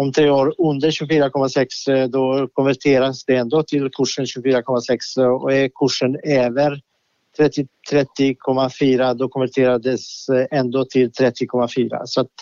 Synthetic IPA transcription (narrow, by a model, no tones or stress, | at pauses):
ɔmt̪ʰɾeːoːɾɵnd̪əɾɕʉːɡfyːɾakʰɔmːasɛksd̪ɔkʰɔnvæʈʰeːɾasd̪ɛɛnd̪oːt̪ʰɪlkʰɵʂːənɕʉɡfyːɾakʰɔmːasɛksɔɛkʰɵʂːənøːvəɾ | t̪ʰɾɛt̪ːɪt̪ʰɾɛt̪ːɪkʰɔmːafyːɾad̪ɔkʰɔnvæʈʰeːɾad̪əsɛnd̪oːt̪ʰɪlt̪ʰɾɛt̪ːɪkʰɔmːafyːɾa̰sɔat̪